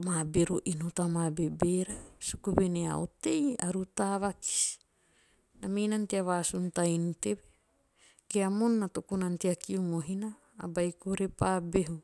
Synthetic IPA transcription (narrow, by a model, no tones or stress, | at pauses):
mabeɾoʔinotamabebeɾasukubenea̰o̰teja̰ɾutaβaki̥si̥ | namejnanteaβasuntajnutebe | keamonːatokunanteakiumoɦina̰ː | bajkuɾepabeɦu